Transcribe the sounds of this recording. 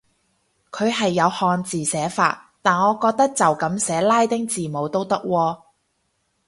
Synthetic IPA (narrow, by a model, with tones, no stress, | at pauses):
kʰɵ˨˧ɥɦɐ˨jːɐ˨˧whɔː˧nt͡siː˨sɛː˨˥fa̰ː˧tt̪aː˨nɔː˨˧kɔː˧k̚t̪ɐ˥k̚t͡sɐ˨wkɐ˨˥msɛː˨˥laː˥jt̪ɪ˥ŋt͡siː˨˩mo˨˧wt̪o˥wt̪ɐ˥k̚wɔː˧